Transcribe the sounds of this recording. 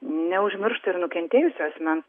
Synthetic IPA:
nʲɛʊʒʲmʲɪɾʃt̪ɐɪɾnʊkʲɛnʲt̪ʲeːjʊsʲoɐsʲmʲɛn

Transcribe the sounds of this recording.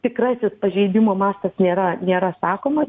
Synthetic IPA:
t̪ʲɪkrɑːsʲɪspɐʒʲɛɪd̪ʲɪmoːmɑːst̪ɐsnʲeːɾɐnʲeːɾɐsɑːkoːmɐ

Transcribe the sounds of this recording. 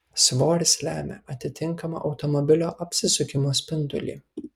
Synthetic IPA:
sʋoːɾʲɪslʲæːmʲḛʔɐt̪ʲɪt̪ʲɪŋˑkɐmɐ̰ʔɒʊt̪ɔmɔbʲɪlʲoːʔɐpʲsʲɪsʊkʲɪmoːsʲpʲɪnd̪ʊ̰lʲḭː

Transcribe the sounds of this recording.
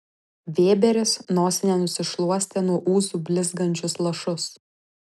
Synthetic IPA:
ʋʲeːbʲɛɾʲɪsnoːsʲɪnʲɛnʊsʲɪʃlˠuɔsʲt̪ʲeːnuɔʔuːzuːbʲlʲɪzɡɐnʲt͡ʃʲʊslˠɐʃʊs

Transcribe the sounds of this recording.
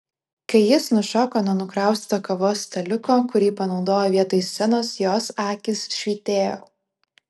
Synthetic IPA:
kɐɪjɪsnʊʃɔːkoːnʊɔnʊkɾɑˑʊsʲt̪okɐʋoːst̪ʲɐlʲʊkoːkʊɾʲiːpɐnɒʊd̪oːjoʋʲiɛt̪oːjsːʲɛnoːsjoːsɑːkʲɪsʃʲʋʲiːt̪ʲeːjo̰ː

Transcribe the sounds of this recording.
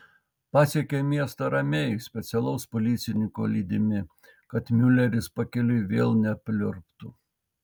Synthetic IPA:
pɑːsʲiɛkʲemʲiɛst̪ɐɾɐmʲeːjsʲpʲɛt̪sʲɛlˠɐʊspɔlʲɪːt̪sʲɪnʲɪŋko̰ːlʲiːd̪ʲɪmʲɪ | kɐt̪mʲʊlʲɛɾʲɪspɐkʲɛlʲʊʋʲeːlˠnʲɛpʲlʲʊɾpt̪ʊ

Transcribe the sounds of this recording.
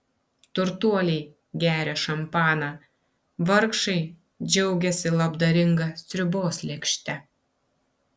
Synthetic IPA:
t̪ʊɾt̪uɔlʲɛɪ | ɡʲæːɾʲɛʃɐmpɑːnɑ | ʋɐɾkʃɐɪ | d͡ʒʲɛʊɡʲɛsʲɪlˠɐbd̪ɐɾʲɪŋɡɐsʲt̪ʲɾʲʊboːslʲɛːkʃʲt̪ʲɛ

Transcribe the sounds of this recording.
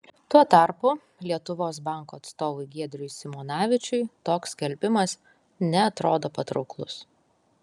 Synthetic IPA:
t̪uɔt̪ɑˑɾpʊ | lʲiɛt̪ʊʋoːsbɑˑŋkuːɐt̪st̪oːʋʊɪɡʲiɛd̪ʲɾʲʊɪsʲɪmɔːnɑːʋʲɪt͡ʃʲʊɪt̪oːkskʲɛlʲbʲɪmɐs | nʲɛɐt̪ɾoːd̪oːpɐt̪ɾɔʊklˠʊs

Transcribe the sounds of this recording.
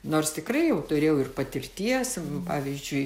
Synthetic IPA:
noːrst̪ʲɪkrɐɪjɛʊt̪ʊɾʲeːjɛʊɪrpɐt̪ʲɪrʲt̪ʲiɛspɑːʋʲiːzʲd͡ʒʲʊɪ

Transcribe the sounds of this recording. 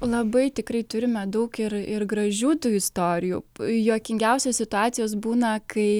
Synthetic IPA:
lˠɐbɐɪt̪ʲɪkɾɐɪt̪ʊɾʲɪmʲɛd̪ɐʊkɪrɪrɡɾɐʒʲuːt̪uːɪst̪oːɾʲɪjṵjuɔkʲɪŋʲɡʲɛʊsʲoːssʲɪt̪ʊɑːt̪sʲɪjoːsbuːnɐkɐɪ

